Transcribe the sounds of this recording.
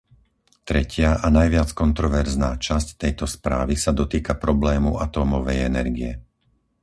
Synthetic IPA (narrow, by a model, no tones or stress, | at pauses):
t̪ɾɛcɪaʔanajʋɪat͡skɔnt̪ɾɔʋɛɾznaːt͡ʃasct̪ɛjt̪ɔspɾaːʋisad̪ɔt̪iːkapɾɔblɛːmuat̪ɔːmɔʋɛjɛnɛɾɡiɛ